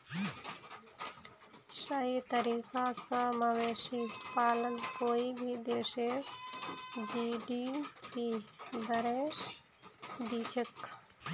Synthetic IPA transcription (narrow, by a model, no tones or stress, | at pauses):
səɦit̪əɾiːkasə̃maʋeːʃipaːlənkoːibʱid̪eːse | d͡ʒiːɖipiːbəɾe | d̪iːt͡ʃʰək